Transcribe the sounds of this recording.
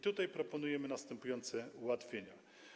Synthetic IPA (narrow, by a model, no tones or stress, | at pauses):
t̪ut̪ajpɾɔpɔnujɛmɘnast̪ɛmpujɔnt̪sɛuwat̪fʲjeɲa